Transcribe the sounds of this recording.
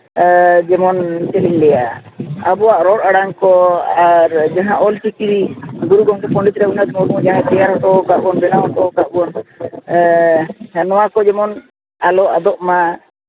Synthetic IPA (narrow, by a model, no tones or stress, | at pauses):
d͡ʒɛmɔnt͡ʃɛlimlɛja̰abɔwaʔɾɔʈaɽaŋkɔaɾd͡ʒaɦãʔɔlt͡ʃikiɾiɡuɾuɡɔŋʈɛpʰɔɳɖit͡ʃɾɛunat̪mɔɾumɔd͡ʒaɦãt̪ɛaɾɦɔʈɔkaʔuɔnbɛnaɔʈɔkaʔuɔn | anɔwakɔd͡ʒɛmɔn | alɔʔad̪ɔʔma